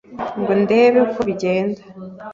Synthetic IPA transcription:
ŋɡonde̞ːβekuβiɟe̞ːndḁ

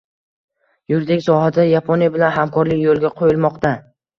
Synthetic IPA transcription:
jʊɾd̪ekʲsɒɦad̪ajapʰonijbɪlanɦamkɒɾlɪkʲjolˠɡʲaqʰojɪlˠmɒqt̪a

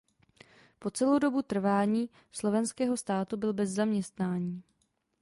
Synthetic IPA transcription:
po̞t͡sɛlowdo̞but̪r̩vaːɲiː | slo̞vɛnskɛːɦo̞st̪aːt̪ubɪlbɛzːamɲɛst̪naːɲiː

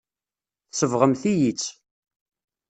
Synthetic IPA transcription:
θsəvʁəmθijit͡sː

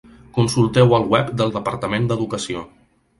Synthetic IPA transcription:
kunsulˠt̪ɛwəlˠɣwɛpd̪əlˠd̪əpəɾt̪əmend̪əðukəsio

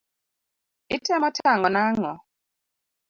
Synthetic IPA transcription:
itʰɛmɔtʰaŋɔnaŋɔ

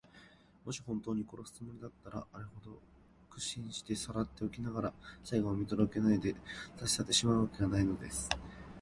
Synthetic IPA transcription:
mo̞ɕi̥hõ̞nt̪o̞ːɲ̟iko̞ɾo̞sɨ̥t͡sɨmo̞ɾʲid̪at̪ːaɾa̰ʔːɾehod̪o̞ | kɯ̟̥ɕĩɰ̃ɕi̥t̪e̞saɾat̪ːe̞okʲinaɡaɾasaiɡoːmʲit̪o̞ɾo̞ke̞naid̪e̞saɕi̥sat̪ːe̞ɕimaɯ̟βake̞ɡanaino̞d̪e̞sɨ̥

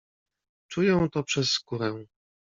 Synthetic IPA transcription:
t͡ʂujɛ̃w̃t̪ɔpʂɛsːkuɾɛ̃

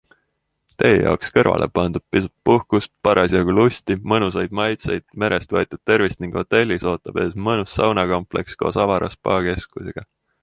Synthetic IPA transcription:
t̪e̞jejɑ̰okskɤrvɑ̰lʔe̞̰pɑnd̪̥ud̪̥̚pisupːuhkuspɑɾʔɑsiɑɡ̥ulusʲt̪imɤnus̬ɑjd̪mɑjt̪sejd̪̥̚me̞ɾʔe̞st̪vɤet̪ʲːˑu̥t̪ːe̞rvist̪niŋɡ̥ho̞t̪ːˑe̞lʲːiso̞ːt̪ːˑɑb̥e̞ːsmɤnusːɑwnɑko̞mple̞ksko̞̰ːsɑvɑɾɑ̰spɑːke̞skuseɡ̥ɑ

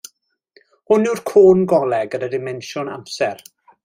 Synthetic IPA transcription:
hʊnɪwrkʰoːnɡɔlˠɛɡəɾədɪmɛnʃʊna̰msɛɾ

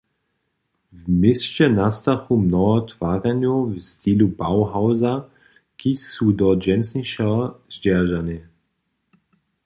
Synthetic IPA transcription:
vmɪst͡ʃɛnast̪axumnɔɔt̪v̥aːʁɛnjovst̪ilubawɦawza | kisud̪ɔd͡ʒɛnsniʃɛzd͡ʒɛʁʒanɪ

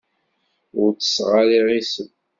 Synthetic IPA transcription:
ʊɾt͡sə̥sʁaliʁisəm

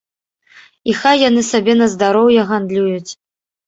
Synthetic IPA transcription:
ixajːanɨsabʲɛnɐzd̪aɾɔwjɛɣand̪lʲujut͡sʲ

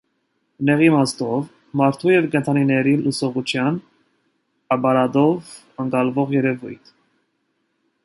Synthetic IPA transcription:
nɛʁimɑst̪ɔv | mɑɾt̪ʰujɛvkɛnt̪ʰɑninɛɾiləsɔʁut͡ʃʰjɑn | ɑpɑɾɑd̪ɔv | əŋkɑlvɔʁjɛɾɛvṵjt̪ʰ

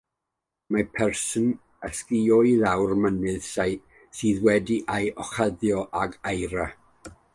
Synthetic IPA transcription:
mapʰɛrsən | əskiɔjðawrmənɨðsaj | siːðwɛdiʔajɔχaðjɔʔaɡajɾa

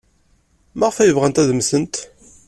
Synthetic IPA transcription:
mæʁfæjəvʁænt̪æðəmsənt̪

